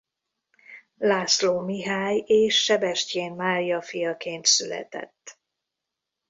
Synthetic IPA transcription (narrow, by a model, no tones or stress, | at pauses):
laːsloːmiɦaːjeːʃːɛbɛʃceːnmaːɾijɒfijɒkeːnt̪sylɛ̰t̪ɛ̰t̪ː